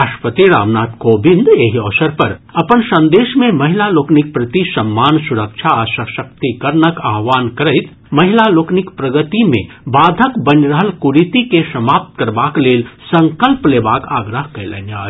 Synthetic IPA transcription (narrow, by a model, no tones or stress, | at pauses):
aʃpət̪iɾa̰ːʋnaːt̪koːbĩnd̪eːɦiɔːsəɾpɐɾɐpənsɐ̃nd̪eːʃmẽmɐɦɪlaloːknik̚pɾɐt̪isɐmːaːnsʊɾəkʃʰaʃɐʃɐkt̪ikɐɾnəkaːɦʋaːnkɐɾəɪt̪ | mɐɦɪlaloːknikpɾɐɡət̪imḛ̃ | baːd̪ʱəkbɐnɾəɦəlkuɾit̪ikeʃɐmaːp̚t̪kɐɾbaːkleːlsɐ̃ŋkəlpleːbaːkaːɡɾəɦkɐjlɐ̰naː